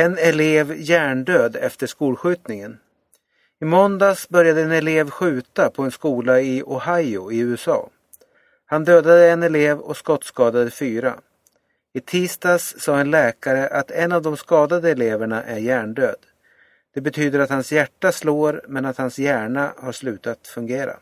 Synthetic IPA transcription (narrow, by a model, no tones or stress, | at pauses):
ɛnɛleːvjæːɳɖøːd̪ɛft̪əʂkuːlɧʉ̟ːt̪nɪŋən | ɪmɔnd̪asbœɾjad̪əɛnɛleːvɧʉ̟ːt̪apʰɔɛnskuːlaɪʔɔhajʊɪʉ̟ːɛsɑ̰ː | hand̪øːd̪ad̪əɛnɛleːvɔ̰skɔt̪ːskɑːd̪ad̪əfyːɾa̰ | ɪt̪ʰiːst̪asːɑːɛnlɛːkaɾəʔat̪ʰɛnːavd̪ɔmskɑːd̪ad̪əɛleːvæɳaʔæɾjæːɳɖøːd̪ | d̪̥ɛbɛt̪ʰyːd̪əɾat̪hansjæʈːasloːɾmɛnat̪hansjæːɳahaʂlʉ̟ːt̪at̪fɵŋɡeːɾa̰